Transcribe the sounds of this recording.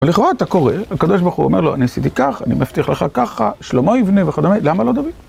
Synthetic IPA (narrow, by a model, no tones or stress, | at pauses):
eliχoʁaːt̪ako̞ʁehakad̪o̞ʃ̬baʁχṵomeʁloa̰niasit̪ikaχa̰nimaft̪iχleχakaχaʃlomo̞ivneveχad̪omelamalo̞d̪avid